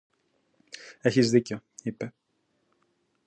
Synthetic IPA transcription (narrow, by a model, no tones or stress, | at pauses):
e̞çizðiceoipe̞